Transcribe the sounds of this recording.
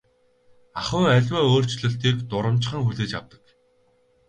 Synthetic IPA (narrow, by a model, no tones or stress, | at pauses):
aχə̆ŋæɮʲwæːoːr̥t͡ɕɮɵ̆ɬt̪iːkt̪ʊɾə̆m̥t͡ɕɪ̆χə̆ŋxuɮeːt͡ɕa̰wt̪ə̥̆k